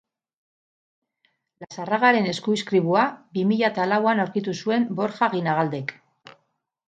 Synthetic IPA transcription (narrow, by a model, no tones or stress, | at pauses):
lasaraɣaɾe̞ne̞skuiskɾiβ̞uabimiʎat̪alawanawɾkit̪usue̞mbo̞ɾxaɣinaɣ̞ald̪e̞k